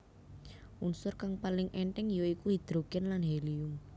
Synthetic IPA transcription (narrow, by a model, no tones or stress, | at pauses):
ʔunsʊrkaŋpalɪŋʔɛɳʈɛŋjoikuhid̪̥ɾoɡ̥ɛnlanɦeliʊm